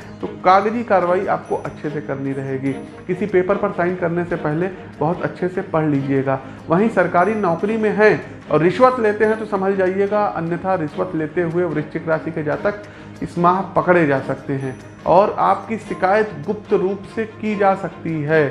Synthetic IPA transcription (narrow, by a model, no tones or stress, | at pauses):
t̪oːkaːɡd͡ʒikaːɾʋaːiʔaːp̚koʔɐtːʃʰesekɐɾniɾɐɦeːɡiː | kɪsipeːpəɾpɐɾsaːɪnkɐɾnesepɛɦle | bɐɦʊt̪ɐtːʃʰesepɐɽ̤liːd͡ʒieːɡaː | ʋɐɦĩsɐɾkaːɾinɔːkɾimẽɦɛ̃ | ɔːɾːɪʃʋət̪leːt̪eɦɛ̃t̪osɐmʱəld͡ʒaːieːɡaʔɐ̰njət̪ʰaɾɪʃʋət̪leːt̪eɦʊeɔʋɾɪʃt͡ʃɪkɾaːsiked͡ʒaːt̪ək | ɪsmaːɦpɐkɽed͡ʒaːsɐk̚t̪eɦɛ̃ː | ɔːɾa̰ːpkiʃɪkaːjət̪ɡʊp̚t̪ɾuːpsekid͡ʒaːsɐkt̪iɦɛː